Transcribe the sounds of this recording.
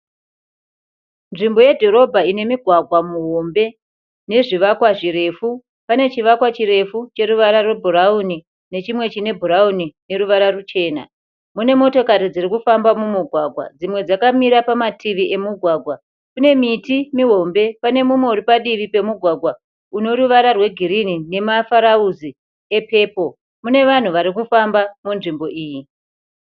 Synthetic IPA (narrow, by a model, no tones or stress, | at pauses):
nʐimbo̞jedʱo̞ɾo̞bʱaine̞miɡʱwaɡʱwamuɦo̞mbe̞ | ne̞ʐiʋakwaʐiɾe̞fu | pane̞t͡ʃiʋakwat͡ʃiɾe̞fut͡ʃe̞ɾuʋaɾarebʱuɾauni | ne̞t͡ʃimwe̞t͡ʃine̞bʱuɾaunine̞ɾuʋaɾarut͡ʃe̞ːna̰ | mune̞mo̞to̞kaɾid͡zirikufambamumuɡʱwaɡʱwa̰d͡zimwe̞d͡zakamiɾapamatʰiʋiʔe̞muɡʱwaɡʱwa | kune̞mitimiɦo̞mbe̞pane̞mumwe̞uɾipaɗiʋipe̞muɡʱwaɡʱwa | uno̞ɾuʋaɾarwe̞ɡʱiɾinine̞mafaɾauzi | e̞pe̞ːpo̞ | mune̞ʋan̤uʋaɾikufambamunʐimbo̞ʔiːji